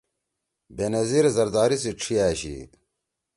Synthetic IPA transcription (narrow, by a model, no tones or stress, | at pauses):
benɐziɾzɐɾd̪aːɾisiʈ͡ʂʰijaːɕḭt̪